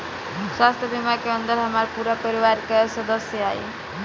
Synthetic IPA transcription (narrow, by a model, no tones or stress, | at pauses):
swast̪ʰɔbimakeʌnd̪ɔɾɦamaɾpuɾapəɾiʋaɾkesɔd̪ɔsjɔaj